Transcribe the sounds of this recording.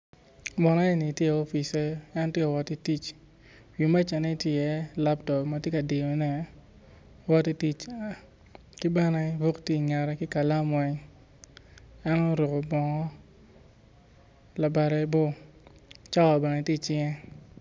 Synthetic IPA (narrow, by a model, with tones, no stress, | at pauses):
mɔ˨nɔ˦e˦ni˨tje˦˨o˦fi˨se˦ɛ˦n˦tje˦ka˨wɔ˨ti˦ti˦t͡ʃ | wi˨ma˦t͡ʃa˨ne˦tje˦˨jɛ˨˦la˦ptɔ˨pma˨tje˦ka˨di˨o˨nɛ˦ | wɔ˦ti˦ti˦t͡ʃ | ki˦bɛ˦nɛ˦bo˦kti˦˨ŋɛ˨ɾɛ˦kɪ˦ka˨la˦mwɛ˦ɲ | ɛ˦nɔ˦ɾo˨ko˨bɔ˨ŋɔ˦ | la˨ba˨ɾɛ˨˦bo˦ | t͡ʃa˦˨bɛ˨nɛ˨tji˦˨t͡ʃɪ˦ŋɛ˦